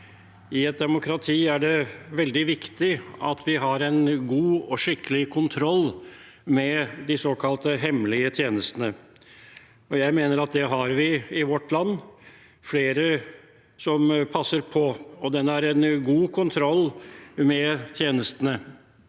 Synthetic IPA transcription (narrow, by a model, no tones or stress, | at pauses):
ɪɛt̪̚d̪ɛmʊkʰɾɑt̪ʰiːæɖɛʋɛld̪ɪʋɪkt̪ɪɑt̪ʰʋɪɦɑɾɛnɡuːɔʂɪkːəlɪkʰʊnt̪ʰɾɔlː | mɛd̪ɪsoːkʰɑlt̪əɦɛmlɪət̪ʰjeːnəst̪ənə | ɔjæɪmeːnəɾɑt̪̚d̪ɛɦɑɾʋɪɪʋɔʈːlɑnː | fleːɾə | sɔmpʰɑsːəɾpʰɔɔd̪ɛnːæɾɛnɡuːkʰʊnt̪ʰɾɔlːmɛt̪ʰjeːnəst̪ənə